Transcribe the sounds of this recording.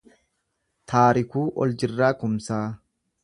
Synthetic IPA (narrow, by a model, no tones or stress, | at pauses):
t̪ʰaːɾɪkuːʔɔld͡ʒɪrːaːkʊmsaː